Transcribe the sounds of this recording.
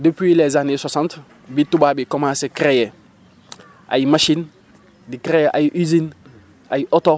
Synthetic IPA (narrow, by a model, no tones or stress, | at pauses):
depwilɛzaneswasãnt | bitubabikɔmãːsekɾejɛ | ʔa̰jimaʃin | dikɾejɛʔajiʔizin | ajiʔɔto